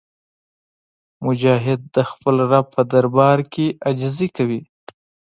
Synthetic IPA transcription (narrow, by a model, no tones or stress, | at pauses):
mʊd͡ʒɑɦɪd̪̚ːəxpəlɾapʰəd̪aɾbɑɾkʰead͡ʒzikawi